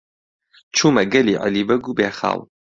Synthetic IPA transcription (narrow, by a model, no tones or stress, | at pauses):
t͡ʃʰuːmɐɡɐliːʕa̰liːbɐɡubeːxa̰ːlˠ